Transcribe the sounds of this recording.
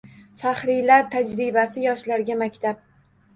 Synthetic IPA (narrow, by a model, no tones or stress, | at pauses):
faχɾɪjlaɾt̪ʰad͡ʒɾɪbasɪjɒʃlaɾɡʲamakʲt̪ʰap̚